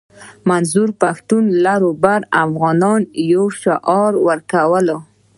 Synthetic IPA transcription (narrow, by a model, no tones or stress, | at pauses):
manzuɾpaxt̪unlaɾobaɾafɣɑnɑnjowʃoʔɑɾwəɾkawəlo